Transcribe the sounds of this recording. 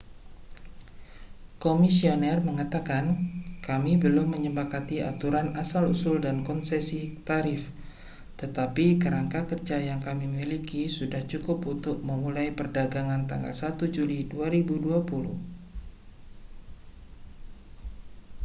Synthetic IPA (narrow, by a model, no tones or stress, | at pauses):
komisionɛrməŋat̪akankamibəlʊmːəɲəpakat̪ia̰t̪uɾanasalusʊldankɔnsesit̪aɾɪf | t̪ət̪apikəɾaŋkakərd͡ʒajaŋkamimilikisudaht͡ʃukʊpunt̪ʊk̚məmulajpərdaɡaŋant̪a̰ŋɡa̰lsat̪ud͡ʒuliduaɾibuduapulʊ̰h